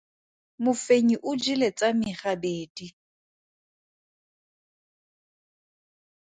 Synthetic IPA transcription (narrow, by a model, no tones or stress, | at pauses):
mʊfeɲiʔʊd͡ʒilet͡sʼamɪχabeːdi